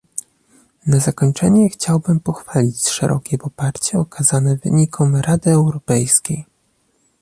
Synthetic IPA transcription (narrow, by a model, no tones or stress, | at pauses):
nazakɔɲt͡ʂɛɲɛxt͡ɕawbɘmpɔxfalʲit͡ɕʂɛ̰ɾʔɔ̰kʲɛpɔpaɾt͡ɕɛɔkazanɛvɘ̰ɲikʰɔmɾad̪ɘɛwɾɔpɛjskʲej